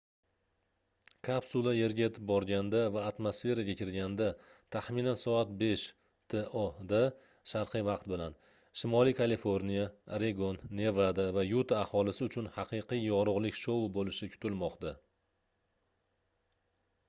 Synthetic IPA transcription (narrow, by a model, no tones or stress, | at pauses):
kʰapsulˠaje̞ɾɡʲaet̪ʰɪp̚bɒɾɡʲand̪avaːt̪mosfe̞ɾaɡʲakʲʰɪɾɡʲand̪at̪ʰaχminansɒat̪̚be̞ʃ | t̪ʰe̞ʔod̪a | ʃaɾqʰɨjvɑqt̪̚bɪlan | ʃɪmɒlijkʰalifo̞ɾnijaɾe̞ɡonːe̞vɾad̪avajut̪ʰaːhɒlɪsɪʊt͡ʃʰʊnhɑqɨjqɨjjɒɾʊʁlˠɪkʲʃobolɪʃɪkʲʰʊ̥t̪ʰɪlmɒqt̪a